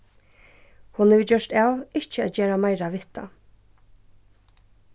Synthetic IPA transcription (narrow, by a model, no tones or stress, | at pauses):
hʊnʉːd͡ʒœʃʈɛlɪçəd͡ʒeːɾɑmɑɪɾɑʋɪt̪ɑ̰